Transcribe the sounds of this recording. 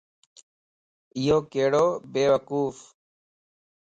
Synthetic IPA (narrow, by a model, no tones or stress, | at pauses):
ɪjoːkeːɽoːbeːʋəkuːf